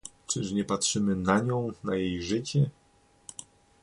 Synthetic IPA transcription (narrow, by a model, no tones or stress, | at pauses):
t͡ʂɘʂɲɛpatʂɘmɘnaɲɔ̃w̃najejʐɘt͡ɕɛ